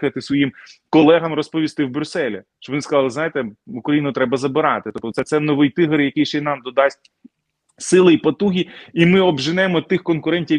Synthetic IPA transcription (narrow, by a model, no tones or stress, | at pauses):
xɐt̪ɪsʋɔjimkɔlˠɛɦɐmɾɔspɔʋʲist̪ɪwbɾʲʊsɛlʲḭʃt͡ʃɔbɔnɪskɐzlˠɪzɑjet̪ɛukɾɐjinʊt̪ɾɛbɐzɐbɪɾɑt̪ɪt̪ɔp̚t̪ɔtsɛt̪sɛnɔʋɪjt̪ɪɦɐɾjɐkɪjʃt͡ʃɛnɑmd̪ɔd̪ɑsʲt̚ʲ | sɪlˠɪipɐt̪uɦʲiimɪɔbʒɪnɛmɔt̪ːɪxkɔnkʊɾɛnʲtʲi